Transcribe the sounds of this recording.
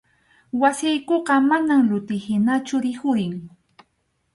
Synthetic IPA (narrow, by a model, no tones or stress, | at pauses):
wasɪjkoɢɑmanamlʊt̪ɪhɪnat͡ʃʊɾɪhʊɾɪŋ